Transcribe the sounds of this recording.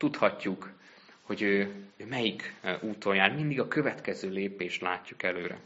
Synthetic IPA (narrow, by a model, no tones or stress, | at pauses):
t̪ut̪hɒcːuk | ho̞ɟøːmɛjikuːt̪o̞njaːrmind̪iɡɒkø̞vɛt̪kɛzøːleːpeːʃt̪la̰ːcːukɛløːɾɛ̰